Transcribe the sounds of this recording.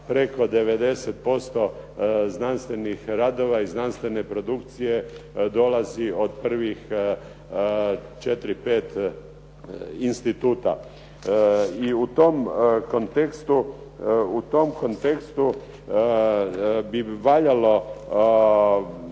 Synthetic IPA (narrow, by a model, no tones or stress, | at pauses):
pɾeko̞d̪eʋed̪e̞set̪̚po̞st̪oznanst̪ʋe̞nixɾaːd̪oʋaiznanst̪ʋe̞ne̞pɾod̪ukt̪sijed̪olaziod̪pr̩ʋix | t͡ʃet̪ɾipeːt̪ | inst̪it̪uːt̪a̰ | iut̪omko̞nt̪ekst̪u | ut̪omkont̪ekst̪u | biʋaːʎalo̞